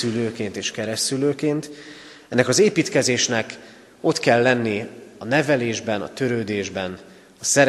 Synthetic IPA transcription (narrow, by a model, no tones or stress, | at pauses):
yløːkeːnt̪eːʃkɛɾɛsyløːkeːnt̪ | ɛnːɛkɒzeːpiːt̪kɛzeːʃnɛk | o̞t̪kɛlːɛnːiɒnɛvɛleːʒbɛnɒ̰t̪ø̞ɾøːd̪eːʒbɛn | ɒsɛɾ